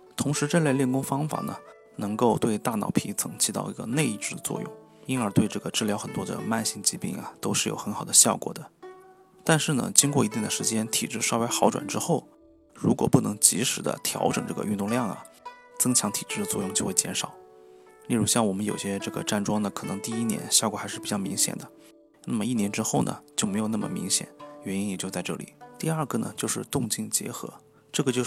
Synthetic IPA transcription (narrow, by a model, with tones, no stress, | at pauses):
t̪ʰʊ˧˥ŋʂɻ̩˧˥ʈ͡ʂə˥˧le˥˧ljɛ˥˩nkʊ˥ŋfɑ˥ŋfa̰˨˩nə̰˩ | nɤ˧˥ŋko˥˧ʊt̪we˥˧ɪt̪a˥˩nɑ̰˨˩ʊpʰi˧˥t͡sʰɤ˧˥ŋt͡ɕʰi˧˥t̪ɑ̰˥˩ʊḭ˧˥ɡə̰˧ne˥˧ɪi˥˧ʈ͡ʂɻ̩˥˩d̪ə˩t͡swɔ̰˥˧jʊ̰˥˩ŋ | i˥nə˞˧˥t̪we˥˧ɪʈ͡ʂɤ˥˩ɡə˩ʈ͡ʂɻ̩˥˩ljɑ˧˥xə˨˩nt̪wɔ˥d̪ə̰˧ma˥˧nɕi˥˩ŋt͡ɕi˧˥pḭ˥˩ŋɐ̰˩t̪o˥ʊʂɻ̩˥˩jo˨˩ʊxə˧˥nxɑ˨˩ʊd̪ə˦ɕjɑ˥˩ʊkwɔ̰˨˩d̪ə˦ | t̪a˥˧nʂɻ̩˥˩nə̰˩t͡ɕi˥ŋk̬wɔ˥˩i˧˥t̪̬i˥˩ŋd̪ə˨ʂɻ̩˧˥t͡ɕjɛ˥nt̪ʰḭ˨˩ʈ͡ʂɻ̩˥˩ʂɑ˥ʊwe˥ɪxɑ˧˥ʊʈ͡ʂwa̰˨˩nʈ͡ʂɻ̩˥xo˥˩ʊ | ɻu˧˥kwɔ˨˩pu˥˩nɤ˧˥ŋt͡ɕḭ˧˥ʂɻ̩˨˩d̪ə̰˧t̪ʰjɑ̰˧˥ʊʈ͡ʂɤ̰˨˩ŋʈ͡ʂɤ˥˩ɡə̰˩ʔy˥˧nt̪ʊ˥˧ŋljɑ˥˩ŋɐ̰˨˩ | t͡sɤ˥ŋt͡ɕʰjɑ˧˥ŋt̪ʰi˨˩ʈ͡ʂɻ̩˥˩d̪ə˩t͡swɔ˥˧jʊ˥˧ŋt͡ɕjo˥˧ʊxe˥˩ɪt͡ɕjɛ˧˥nʂɑ˨˩ʊ | li˥˩ɻu˧˥ɕjɑ˥˩ŋwɔ˨˩mə˦njo˨˩ʊɕjɛ˥ʈ͡ʂɤ˥˩ɡə̰˩ʈ͡ʂa˥˩nʈ͡ʂwɑ˥ŋnə˨kʰɤ˨˩nɤ̰˧˥ŋt̪i˥˧i˥njɛ̰˧˥nɕjɑ˥˩kwɔ˨˩xa˧˥ʂɻ̩˥˩pi˨˩t͡ɕɑ˥˩mḭ˧˥ŋɕjɛ̰˨˩nd̪ə˦ | na˥˩mə˩i˥˩njɛ˧˥nʈ͡ʂɻ̩˥xo˥˩ʊnʔə̰˩t͡ɕjo˥˧ʊme˧˥ɪo˨˩n˥˩mə̰˨˩mḭ˧˥ŋɕjɛ̰˨˩˦nɥɛ˧˥ni˥njɛ˨˩t͡ɕjt͡sa˥˧ɪʈ͡ʂɤ̰˥˩lḭ˨˦t̪i˥˧ɐ˞˥˩ɡə˩nə̰˩t͡ɕjo˥˧ʊʂɻ̩˥˧t̪ʊ˥˧ŋt͡ɕi˥˩ŋt͡ɕjɛ̰˧˥xɤ̰˧˥ | ʈ͡ʂɤ˥˩ɡə˩t͡ɕjo˥˧